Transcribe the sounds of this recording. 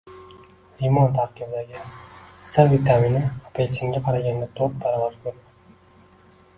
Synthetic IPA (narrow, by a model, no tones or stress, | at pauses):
ɾimɒnt̪ʰaɾkʲɪbd̪aɡʲɪsavit̪ʰaminaapʰesʰɪŋɡʲaqʰɑɾaɡʲand̪at̪ʰop̚baɾɒvaɾkʲʰɵɾd̪ɪ